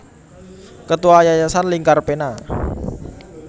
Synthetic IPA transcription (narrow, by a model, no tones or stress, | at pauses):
kət̪uwajajasanliŋkarpena